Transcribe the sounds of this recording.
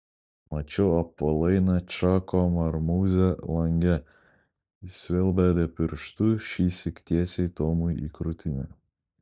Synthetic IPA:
mɐt͡ʃʲɛɐpːɐlˠɐɪnɐt͡ʃɑːkɔmɐɾmuːzʲɛlˠɐŋʲɡʲɛ | isʲʋʲɛlʲˠbæːd̪ʲɛpʲɪɾʃt̪ʊʃʲiːsʲɪkʲt̪ʲiɛsʲɛɪt̪oːmʊjḭkɾʊt̪ʲɪnʲɛ̰

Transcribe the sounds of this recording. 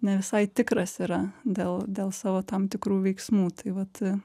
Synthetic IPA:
nʲɛʋʲɪsɐɪt̪ʲɪkɾɐsiːɾɐd̪ʲeːlˠd̪ʲeːlˠsɑːʋoːt̪ɐmt̪ʲɪkɾuːʋʲɛɪksmuːt̪ɐɪʋɐt̪

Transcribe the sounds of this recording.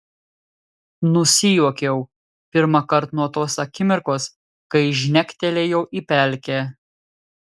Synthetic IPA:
nʊsʲɪjuɔkʲɛʊ | pʲɪɾmɐkɐɾt̪nuɔt̪oːsɐkʲɪmʲɪɾkoːs | kɐɪʒʲnʲɛkʲt̪ʲɛlʲeːjɛʊʔiːpʲæˑlʲkʲeː

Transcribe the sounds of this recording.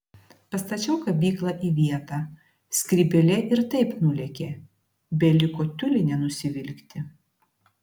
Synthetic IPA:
pɐst̪ɐt͡ʃʲɛʊkɐbʲiːklˠɑʔiʋʲiɛt̪ɑː | sʲkʲɾʲibʲɛlʲɛʔɪɾt̪ɐɪpnʊlʲɛkʲe | bʲɛlʲɪkoːt̪ʲʊlʲɪnʲɛnʊsʲɪʋʲɪlʲkʲt̪ʲɪ

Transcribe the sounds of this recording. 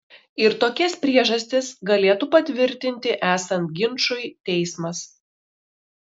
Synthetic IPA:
ɪɾt̪oːkʲɛspʲɾʲiɛʒɐsʲt̪ʲɪsɡɐlʲeːt̪upɐt̪ʲʋʲɪɾʲt̪ʲɪnʲt̪ʲɪʔæːsɐnt̪̚ɡʲɪnˑʃʊɪt̪ʲɛɪsmɐs

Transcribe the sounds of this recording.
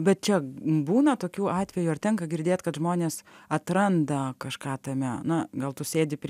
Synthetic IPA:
bʲɛt̪̚t͡ʃʲɛbuːnɐt̪oːkʲuːɑːt̪ʲʋʲɛjuɐrt̪ʲɛŋkɐɡʲɪɾʲd̪ʲeːt̪kɐt̪ʒmoːnʲeːsɐt̪ɾɐnd̪ɐkɐʃkɑːt̪ɐmʲɛnɐɡɐlˠt̪ʊsʲeːd̪ʲɪpʲ

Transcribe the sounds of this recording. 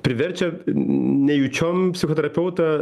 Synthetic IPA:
pʲɾʲɪʋʲɛɾʲt͡ʃʲɛ | nʲɛjut͡ʃʲɔmpʲsʲɪxɔt̪ʲɛɾɐpʲɛʊt̪ɐ

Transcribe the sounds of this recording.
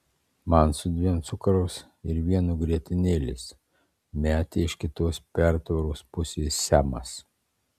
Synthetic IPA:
mɐnsʊd̪ʲʋʲiɛmt̪sʊkɐɾɐʊs | ɪɾʋʲiɛnuɡɾʲiɛt̪ʲɪnʲeːlʲɪ̰s | mʲæːt̪ʲeːɪʃkʲɪt̪oːspʲæɾt̪ʋɐɾoːspʊsʲeːsːʲæːmɐ̰s

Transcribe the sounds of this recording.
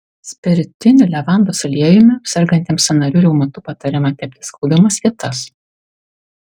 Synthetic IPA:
sʲpʲɛɾʲt̪ʲɪnʲɪlʲɛʋɑˑnd̪oːsɐlʲiɛjɪmʲɪsʲɛɾɡɐnʲt̪ʲiɛmsʲɐnɐɾʲuɾʲɛʊmɐt̪uːpɐt̪ɐɾʲɪmɑt̪ʲɛpʲt̪ʲɪ̥skɐʊd̪ʲɪmɐskʲɪt̪ɐs

